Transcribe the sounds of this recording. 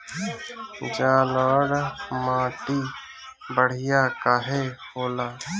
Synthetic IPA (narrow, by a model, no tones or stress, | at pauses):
d͡ʒãːləːɽmãːʈiː | bəɽ̤ɪjaːkaːɦehoːlaː